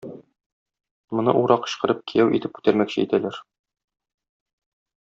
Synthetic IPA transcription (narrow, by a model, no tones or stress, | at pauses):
mŏnɤ̰ʔuɾɑqɤ̥̆ɕqɤ̆ɾɤp̚kʰijæwʔḭt̪ɘp̚kʉ̥t̪æɾmækɕɘit̪ælæɾ